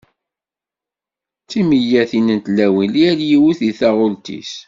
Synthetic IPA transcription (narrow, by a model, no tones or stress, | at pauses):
t͡sːiməjæθinənt̪læwiliæɾjiwuθiθæʁʊlt̪ḭs